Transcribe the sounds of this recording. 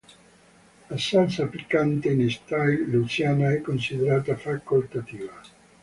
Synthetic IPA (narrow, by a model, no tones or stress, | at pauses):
asant̪saːplikːant̪enest̪ajlut͡ʃjaːnaɛkːonsid̪eɾaːt̪afakːolt̪at̪iːva